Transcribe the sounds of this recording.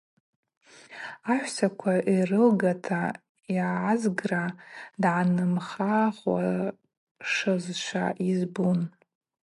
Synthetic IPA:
aħᶣʷsakʷʰaʔirɨlɡatʰa | jʕaʕazɡradʕanɨmχaχwa̰ | ʂɨzʃʷʰa̰ʔizbun

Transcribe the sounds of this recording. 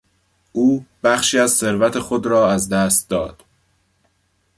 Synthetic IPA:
ʔuːb̥æxʃiːæzse̞ɾvæt̪ʰe̞xo̞d̪ɾɒːæzd̪æst̪̚d̪ɒːd̪̥

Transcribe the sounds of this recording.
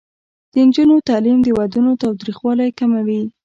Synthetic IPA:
d̪̥ənd͡ʒunot̪ɑlimd̪əwad̪unot̪ɑwt̪ɾixwɑlajkamawi

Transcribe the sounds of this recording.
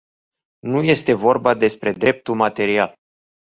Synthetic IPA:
nuje̞st̪e̞vo̞rbad̪e̞spɾe̞d̪ɾe̞p̚t̪ulmat̪e̞ɾial

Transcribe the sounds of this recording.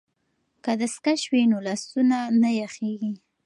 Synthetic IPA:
kad̪əskaʃwinolast̪unanajaxeɡi

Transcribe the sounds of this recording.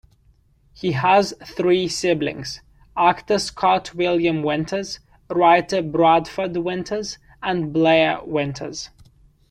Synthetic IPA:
hiəz̥θɹiːsɪblɪ̰̃ŋz̥ | ɑktəskʰɑˑtʰwɪljə̃mwɪ̃ntʰəz̥ | ɹaɪtəbɹɔdfədwɪ̃ntʰəz | ə̃nbleɪəwɪ̃ntʰə̰z̥

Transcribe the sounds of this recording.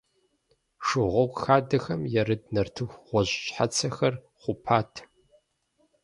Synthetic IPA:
ʂɨʁʷɔkʷxaːdɐxɐmjɛɾɨdnɐrtʰɨxʷʁʷɔʑɕʼħat͡sʰɐxɐr | χʷʊpʰaːtʰ

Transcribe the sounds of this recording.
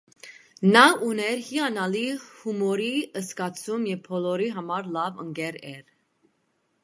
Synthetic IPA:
nɑunɛɾhiɑnɑlihumɔɾiəskɑt͡sʰumjɛvpʰɔlɔɾiɦɑmɑɾlɑvə̰ŋɡɛɾɛɾ

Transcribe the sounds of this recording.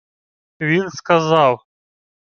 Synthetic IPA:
vʲinskazaw

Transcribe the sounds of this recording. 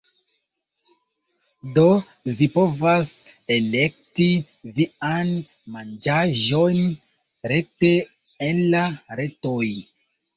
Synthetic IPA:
do̞ | vipo̞vas | ele̞k̚ti | vian | mand͡ʒaʒo̞jn | ɾe̞te̞ | enlaɾe̞toj

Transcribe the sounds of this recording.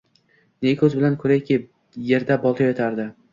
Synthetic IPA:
nekʰɵzbɪlankʰɵɾajkʲɪ | je̞ɾd̪abɒlˠt̪ʰɒjɒt̪ʰaɾd̪ɪ

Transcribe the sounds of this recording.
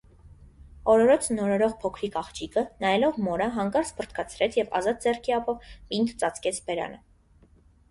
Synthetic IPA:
ɔɾɔɾɔt͡sʰnɔɾɔɾɔʁpʰɔkʰɾikɑχt͡ʃikənɑjɛlɔvmɔɾəɦɑŋkɑɾt͡spʰərt̪ʰkʰɑt͡sʰɾɛt͡sʰjɛvɑ̰zɑt̪̚d͡zɛrkʰiɑpɔpint̪t͡sɑt͡skɛt͡sʰbɛɾɑ̰nə

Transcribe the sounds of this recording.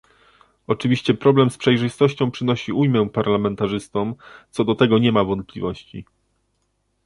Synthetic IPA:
ɔt͡ʂɘvʲiɕt͡ɕɛpɾɔblɛmspʂɛjʐɘst̪ɔɕt͡ɕɔ̃w̃pʂɘnɔɕiujmɛpaɾlamɛnt̪aʐɘst̪ɔmt̪sɔd̪ɔt̪ɛɡɔɲɛmavɔnt̪̚plʲivɔɕt͡ɕḭ

